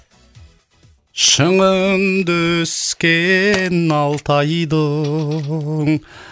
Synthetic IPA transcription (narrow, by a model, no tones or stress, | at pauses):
ʃəɴənd̪ɵskʲenɑlˠt̪ʰɑjd̪ə | ŋ